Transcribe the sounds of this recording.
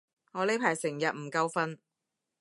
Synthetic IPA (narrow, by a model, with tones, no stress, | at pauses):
ŋɔː˨˧le˧˨˥jpʰaː˨˩jsɪ˨˩ŋjɐ˨t̚m̩˨˩kɐ˥wfɐ˥n